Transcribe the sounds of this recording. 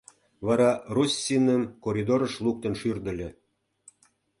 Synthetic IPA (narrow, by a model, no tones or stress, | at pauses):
βɑɾɑrusʲːinəmkoɾʲid̪oɾə̆ʃluk̚t̪ə̆nʃyrd̪ə̆lʲĕ